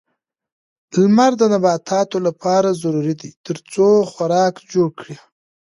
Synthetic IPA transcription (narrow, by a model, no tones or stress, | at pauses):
lmaɾd̪ənabɑt̪ʰɑt̪olapɑɾazaɾuɾid̪it̪əɾt͡soxwaɾɑkd͡ʒoɽkɽi